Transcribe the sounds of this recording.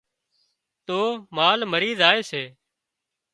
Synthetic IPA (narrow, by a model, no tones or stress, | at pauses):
t̪oːmaːlməɾiːzaːeːseː